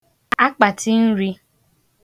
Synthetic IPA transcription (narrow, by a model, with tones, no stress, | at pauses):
a˦k͡pa˨ti˦n̩˦ɾi˦